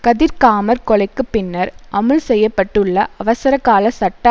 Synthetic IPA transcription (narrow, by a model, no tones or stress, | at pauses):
kɐðɪɾkaːmɐɾkɔɭɐɪkːɯpɪnːɐɾʔɐmɯlsɛjːɐpːɐʈːɯɭːɐʔɐʋɐsɐɾɐkːaːlɐsɐʈːɐ